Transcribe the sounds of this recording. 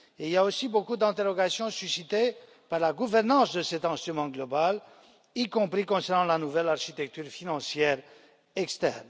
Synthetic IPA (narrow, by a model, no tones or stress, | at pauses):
eiljaosibokud̪ɛ̃t̪eʁɔɡasjɔ̃sysit̪e | paʁlaɡuvɛʁnɑ̃sd̪əsɛt̪ɛ̃st̪χymɑ̃ɡlɔbal | ikɔ̃pχikɔ̃sɛʁnɑ̃lanuvɛlaʁʃit̪ɛk̚t̪yʁfinɑ̃sjɛʁ | ɛkst̪ɛ̰ʁn